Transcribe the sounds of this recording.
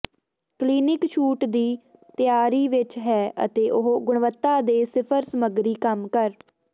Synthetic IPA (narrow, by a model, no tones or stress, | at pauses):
kliːnɪkʃʰuːʈd̪iːt̪ɪjaːɾiːʋɪt͡ʃɦɛːʔə̰t̪eːʔʊɦɡʊɳʋət̪ːaːd̪eːsɪpʰəɾsəməɡɾiːkəmkəɾ